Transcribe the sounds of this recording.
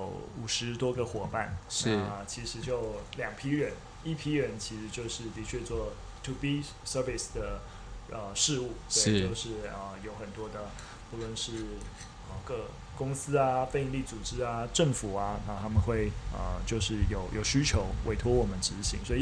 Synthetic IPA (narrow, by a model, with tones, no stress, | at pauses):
jo˧˦ʊu˨˩ʂɻ̩˧˦˥t̪wɔ˥ɡə˨xwɔ˨˩pa˥˩n˥˩˨ | t͡ɕʰi˧˥ʂɻ̩˧˥t͡ɕjo˥˩ʊljɑ˨˩ŋpʰi˥ɻə˧˥n | i˥˩pʰi˥ɻə˧˥nt͡ɕʰi˧˥ʂɻ̩˧˥t͡ɕjo˥˧ʊʂɻ̩˥˩t̪i˧˥t͡ɕʰɥɛ˥˧t͡swɔ˥˩ | t̪ʰu˨pi˥ | sə˥fi˨˩sd̪ə˩ | ə˧ʂɻ̩˥˧u˥˩t̪we˥˩t͡ɕjo˥˧ʊʂɻ̩˥˩ə˩jo˧˥ʊxə˨˩nt̪wɔ˥d̪ə˨ | pu˥˩lwə˥˧nʂɻ̩˥˩ | ə˧kɤ˥˧˩ | kʊ˥ŋsɹ̩˥a˧fe˥˧ɪi˧nli˥˩t͡su˨˩ʈ͡ʂɻ̩˥a˧ʈ͡ʂə˥˩ŋfu˨˩ɐ˦na˥˧t̪ʰa˥mə˨nxwe˥˩ɪə̰˩t͡ɕjo˥˧ʊʂɻ̩˥˩jo˨˩ʊjʔo˨˩ʊɕy˥t͡ɕʰjo˧˥ʊwʔe˧˥ɪt̪ʰwɔ˥wɔ˨˩mə˦nʈ͡ʂɻ̩˧˥ɕi˧˥ŋswɔ˧˥i˨˩